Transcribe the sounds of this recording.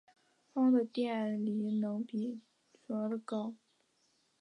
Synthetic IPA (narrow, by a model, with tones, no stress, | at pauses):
fɑ˥ŋd̪ə˨t̪jɛ˥˩li˧˥nɤ˧˥ŋpi˨˩ | t͡sɔ˧˥lə˩kɑ˥˩ʊ